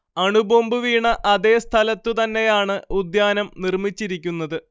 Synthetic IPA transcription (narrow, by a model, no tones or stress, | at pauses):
ɐɳuboːmbɨʋiːɳɐʔɐðe̞ːst̪ʰɐlɐt̪ːɨt̪ɐnːe̞jaːɳɨud̪jaːnɐmnirmit͡ɕːiɾikʲːunːɐðɨ